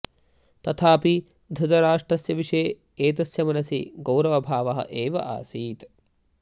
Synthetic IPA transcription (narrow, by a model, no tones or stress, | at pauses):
t̪ɐt̪ʰaːpi | d̪ʱɐd̪ɐɾaːʂʈɾɐsjɐʋiʂeː | eːt̪ɐsjɐmɐnɐsḭɡɐwɾɐʋɐbʱaːʋɐɦɐ̰ʔeːʋɐ̰ʔa̰ːsiːt̪